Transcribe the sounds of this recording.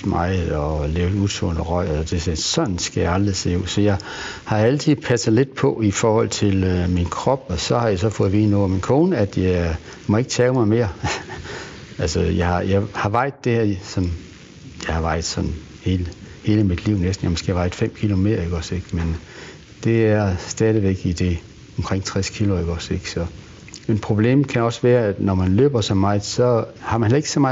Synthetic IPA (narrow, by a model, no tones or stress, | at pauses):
mɑ̈ɪɒleːʊut͡sʰɔ̰nəʁɒɪ̰d̥e̝sɒ̽nn̩sɡ̥æjɑɑ̈ld̥ʁise̝̰ːusɒ̽jɑ̈ɪ | hɑ̈ælt͡sʰið̩ˠpʰæsð̩ˠle̝d̥̚pʰɒ̽ifɒːhɒ̽l̰t͡sʰe̝lminkʰʁɒ̽b̥ɒ̽sɒ̽hɑ̈jɑ̈ɪsɒ̽fɔ̽ːð̩ˠʋiːnuæminkʰo̝ːnəæd̥jɑ | mɒ̽e̝ɡ̥ət͡sʰɛːʊmɑ̈ɪme̝̰ːɐ | ælsəjɑɪhɑ̈jɑ̈ɪhɑ̈ʋɑ̈ɪ̰ð̥ˠd̥e̝hæɐ̰sɒ̽m | jɑ̈ɪhɑ̈ʋɑ̈ɪ̰ð̥̩ˠsɒ̽n | heːləhe̝ːləmid̥liʊ̰nesd̥n̩jɑmɔ̽sɡ̥e̝̰ːʋɑ̈ɪd̥ˠfem̰kʰilo̝me̝ðɐiɡ̥ɒse̝ɡ̥men | d̥e̝æɐsd̥ɛːð̞ˠiʋeɡ̥id̥e̝ | ɒ̽mkʰʁeŋ̰t͡sʰʁɛskʰilo̝eɡ̥ɒseɡ̥sɒ̽ | enpʰʁo̝b̥le̝̰ːmkʰænɒ̽sʋæːɐæd̥nɒmænlø̰ːb̥ɐsɒmːɑ̈ɪðˠsɒ̽hɑ̈mænhelˠeɡ̥sɒmɑ̈